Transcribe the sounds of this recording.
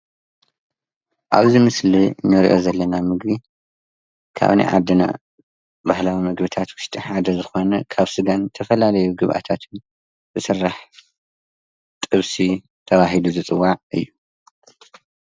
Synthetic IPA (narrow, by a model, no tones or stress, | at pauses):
ʔaβzimɨslinːɐɾiʔo̞zɐlːɐnamɨɡbi | kʰa̰βnḭʕa̰d̪ɨna̰ | bahlawimɐɡbɨt̪ʰat̪wʊʃt̪ʼiħad̪ɐzɨxo̞nɐkʰaβsɨɡant̪ʰɐfɐlalɐjuɡɨβʔa̰t̪ʰat̪ʰɨn | zɨsɨrːaħ | t̪ʼɨβsi | t̪ʰɐβaɦiluzɨt͡sʼɨwːaʕʔɨ̰jːu